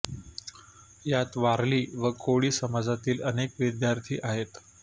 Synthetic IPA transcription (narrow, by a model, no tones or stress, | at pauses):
jat̪ʋaɾliːʋəkʰoɭiːsəmad͡zat̪iːlənekʋid̪jaɾt̪ʰḭːʔaɦet̪